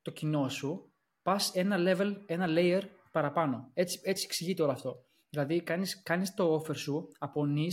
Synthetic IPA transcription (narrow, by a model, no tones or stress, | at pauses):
t̪o̞cino̞su | pɐse̞nɐle̞ve̞le̞nɐle̞jeɾpɐɾɐpɐno̞e̞t͡si̥e̞t͡sieksiʝit̪eo̞lɐːft̪o̞ | ðilɐðikɐniskɐnist̪o̞ofe̞ɾsuɐpo̞ni